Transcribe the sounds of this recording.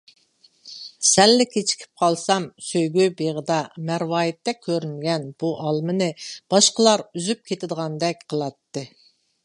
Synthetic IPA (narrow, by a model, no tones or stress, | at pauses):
sɛlːɪkʲʰet͡ʃʰi̥kʲʰi̥p̚qʰɑlˠsɑmsøjɡʲybeʁəd̪ɑmæɾwɑːjit̪ːɛkʲʰːøɾynɡʲɛnb̥uʔɑlˠmɨnɨb̥ɑʃqəlˠɑɾyzyp̚kʲʰet̪ʰɪd̪əʁɑnd̪ɛk̚ʲqʰəlˠɑt̪ːɨ